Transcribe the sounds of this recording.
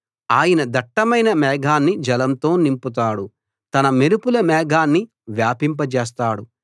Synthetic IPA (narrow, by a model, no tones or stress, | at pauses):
aːjɐnɐd̪ɐʈːɐmɐjnɐmɛːɡʱaːnːid͡ʒɐlɐmt̪o̞ːnimput̪̬aːɽu | t̪ɐnɐmeɾupulɐmɛːɡʱaːnːi | ʋjaːpimpɐt͡ʃeːs̬t̪aːɽu